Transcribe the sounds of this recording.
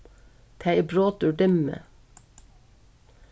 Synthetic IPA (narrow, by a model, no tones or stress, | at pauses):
t̪ʰæɪbɹoːt̪ʉːɖɪmə̰